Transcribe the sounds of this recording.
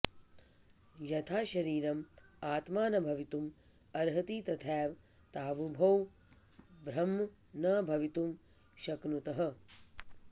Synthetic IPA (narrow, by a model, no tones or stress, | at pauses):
jɐt̪ʰaːʃɐɾiːɾɐmaːt̪maːnɐbʱɐʋit̪um | ɐɾɦɐt̪iːt̪ɐt̪ʰɛːʋ | t̪aːʋubʱɐw | bɾɐm | nɐbʱɐʋit̪um | ʃɐknut̪ɐɦɐ